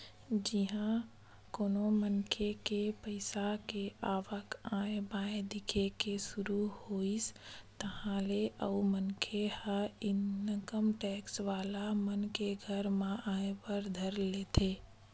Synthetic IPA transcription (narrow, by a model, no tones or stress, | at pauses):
d͡ʒiɦã | koːnomənkʰekepəɪsakeaːʋəkãːebaːẽd̪ɪkʰekesʊɾuhoːist̪əɦãleʔəumənkʰehaɪnnəkəmʈɛːksʋaːlamənkeɡʱəɾmãʔaːepəɾd̪ʱəɾleːt̪ʰeː